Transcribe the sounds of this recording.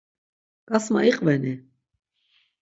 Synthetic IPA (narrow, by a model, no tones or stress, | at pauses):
kʼasma̰ʔiqʼvɛni